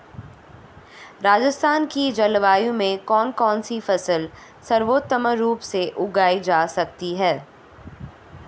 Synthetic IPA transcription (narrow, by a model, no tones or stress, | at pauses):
ɾaːd͡ʒəst̪ʰaːnkid͡ʒɐlʋaːjõmẽkɔːnkɔːnsifɐsəl | sɐɾʋoːt̪ːəməːuːpseʔʊɡaːid͡ʒaːsɐk̚t̪iɦɛː